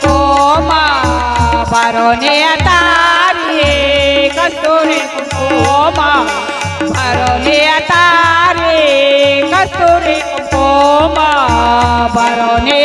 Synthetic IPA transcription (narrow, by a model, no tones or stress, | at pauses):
koma | baɾɔniat̪aɾi | kast̪uɾikukoma | baɾɔniat̪aɾi | kast̪uɾikukoma | baɾɔni